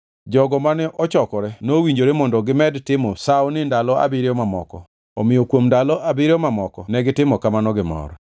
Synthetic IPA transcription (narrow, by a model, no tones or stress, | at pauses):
d͡ʒɔɡɔmanɛʔɔt͡ʃɔkɔɾɛnowiɲd͡ʒoɾemɔndɔɡɪmɛdtɪmɔsaɔnɪndalɔa̰bɪɾjɔmamɔkɔ̰ | ɔmɪjokwomndalɔʔabɪɾjɔmamɔkɔnɛɡɪtɪmɔkamanɔɡɪmɔ̰ɾ